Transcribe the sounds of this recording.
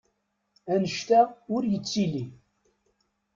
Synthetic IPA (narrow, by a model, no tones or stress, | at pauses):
ænəʃt̪æʊɾjət͡sːili